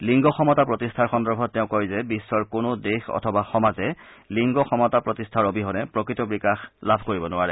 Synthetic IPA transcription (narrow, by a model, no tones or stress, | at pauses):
liŋɡɔxɔmɔtapɹɔtistʰaɹxɔndɔɹbʱɔttːɛʊ̃kɔɹzɛbisːɔɹkonʊdexɔ̰tʰɔbaxɔmazɛliŋɡɔxɔmɔtapɹotistʰaɹobiɦɔnɛpɹɔkɹitɔbɹikaxlabʱkoɹibɔnʊaɹɛ